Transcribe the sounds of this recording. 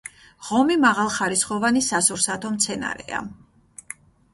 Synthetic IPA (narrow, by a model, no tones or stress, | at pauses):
ʁɔmimaʁalˠχaɾisχɔvanisasuɾsat̪ʰɔmt̪sʰɛna̰ɾɛ̰a̰